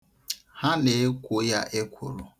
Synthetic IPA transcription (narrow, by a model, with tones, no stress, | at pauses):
ha˦ne˨˦kʷʊ˦ja˦ʔe˦kʷʰʊ̰˨ɾʊ̰˨